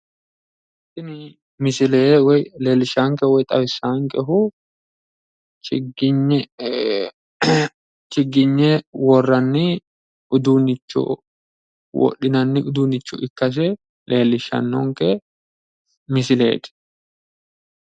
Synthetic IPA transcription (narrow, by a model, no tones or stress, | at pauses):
sɪnɪ | mɪsɪleːwɔjle̞ːlːɪʃaːŋkɛwɔjt̪ʼɐwɪsːaːŋkʼɛɦʊ | t͡ʃɪɡ | t͡ʃɪɡːɪɲːɛwɔrːɐnːɪ | ʔʊd̪unɪt͡ʃːɔ̰ | wɔ̰ɗɪnɐnːɪʊd̪uːnɪt͡ʃːɔ̰ɪkːɐs̬ɛ | lʔeːlːɪʃɐ̰nːɔŋkɛ | mɪsɪlḛːd̪